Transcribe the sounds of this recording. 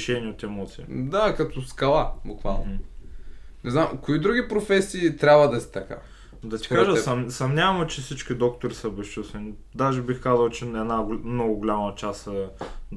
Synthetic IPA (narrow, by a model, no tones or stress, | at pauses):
ʃɛnʲiɛot̪ɛmɔt̪siːd̪akɐt̪ɔskɐlˠabʊkva̰lˠno | nɛznamkoid̪ɾuɡipɾofɛsiːt̪ɾʲabvəd̪ɐsi̥t̪ɐka̰ | d̪ɐt̪i̥kaʒəsɐsɐmnʲavɐmɛt͡ʃɛfsit͡ʃk̟ʲid̪ɔkt̪oɾisəbɛst͡ʃust̪vɛni | d̪aʒɛbixkazɐlˠt͡ʃɛɛd̪naɡmnɔɡʊɡolʲamɐt͡ʃasəd̪